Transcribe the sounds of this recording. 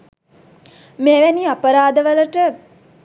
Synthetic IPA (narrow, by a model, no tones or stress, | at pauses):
meːʋæniapəɾaːd̪əʋələʈə